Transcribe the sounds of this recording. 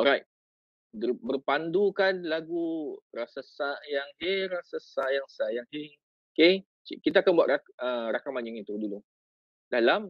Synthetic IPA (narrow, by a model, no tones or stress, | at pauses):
ɔɾajt̚ | dəbərpandukanlaɡurasasajaŋheɾasasajaŋsajaŋhe | oke | t͡ʃkit̪aakanbua̰tʔaəɾakamaɲʊŋit̪udulu | dalam